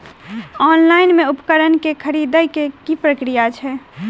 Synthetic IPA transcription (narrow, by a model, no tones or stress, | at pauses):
ɔːnlaɪnmẽupkəɾənkekʰəɾid̪əjkekipɾəkɾijat͡ʃʰɛ